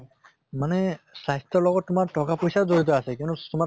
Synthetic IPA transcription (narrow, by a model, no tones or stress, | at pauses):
manɛsajst̪ɔɹlɔɡɔtːʊmaɹtɔkapojsaɹzoɹit̪̬ɔasɛkijɔnutuma